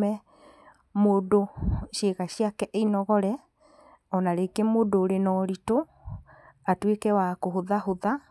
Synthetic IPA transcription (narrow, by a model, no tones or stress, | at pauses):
ɛ | modoʃeɣaɕiakɛʔeinɔɣɔɾɛ | ɔnaɾekemodoːɾenɔɾito | atwekɛwakoɦoðaɦoða